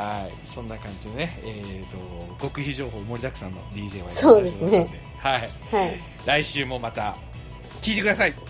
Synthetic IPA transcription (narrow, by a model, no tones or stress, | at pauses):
haisõ̞nːakãɲ̟d͡ʑinoneeːt̪o̞ɡ̥o̞kɯ̟çiʑo̞ːɦo̞ːmo̞ɾʲid̪akɯ̟̥sãnːo̞̰d̪ʲiːʑe̞ːβa̰soːd̪esned̪e | hai | ɾaiɕɨːmo̞mat̪a | kʲiːt̪e̞kɯ̟d̪asai